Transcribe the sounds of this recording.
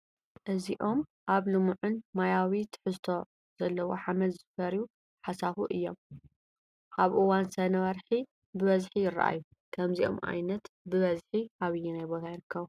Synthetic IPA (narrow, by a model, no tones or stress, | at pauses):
ʔɨziʔo̞mʔaβlɨmuʕʊnmajawit̪ʰɨ̥ħɨzt̪ʰo̞ | z̥ɐlːɐwoħamɐlzɨfɐɾju | ħasafuʔɨjːo̞m | kaβʔɨwansɐnɐwɐɾħi | bɨβɐzħijɪɾːɐ̰ʔa̰jːu | kʰɐmziʔo̞̰mʔa̰jnɐt̪bɨβɐzħiʔaβɨjːunajbo̞t̪ʰajɪɾɨkʰːɐβu